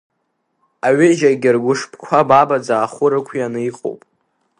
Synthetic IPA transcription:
aɥɪʒaɡʲɪrɡʷʊʂpʰkʷʰababad͡zaːχʊɾakʷʰianɨiqʼo̰wpʼ

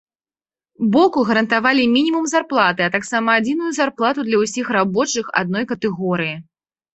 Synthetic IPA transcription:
bɔkuɣɐɾɐnt̪avalʲimʲinʲimumzarplˠat̪ɨɐt̪aksamɐːd͡zʲinujuzarplˠat̪ud̪lʲɐwsʲixrabɔt͡ʂɨxa̰d̪̚nɔjkɐt̪ɛɣɔɾɨji

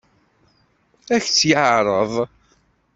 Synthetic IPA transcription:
æçt͡sːjəʕɾˤəðˤ

